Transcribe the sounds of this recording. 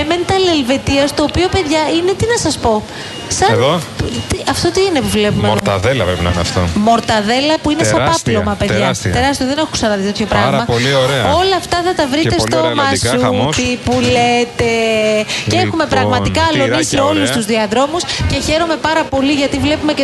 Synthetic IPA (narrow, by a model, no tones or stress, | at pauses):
ement̪ɐle̞lve̞t̪iɐst̪o̞ːpio̞pe̞ðʝɐine̞t̪inɐsɐspo̞ | sɐnot̪iɐft̪o̞t̪iinepuvle̞pummeɐðelɐpɾepinft̪o̰mo̞ɾt̪ɐðe̞lɐpuinesɐpɐplomɐpeðʝɐst̪eɾɐst̪ioðenexusɐnɐðit̪e̞t̪ço̞pɾɐɣmɐplioɾeo̞lɐːft̪ɐθɐt̪ɐvɾiessomɐsut̪ipulet̪e̞cexume̞pɾɐɣmɐt̪ikɐloniseo̞lust̪uzðiɐðɾo̞musce̞çe̞ɾo̞me̞pɐɾɐpo̞liʝɐt̪ivle̞pume̞ce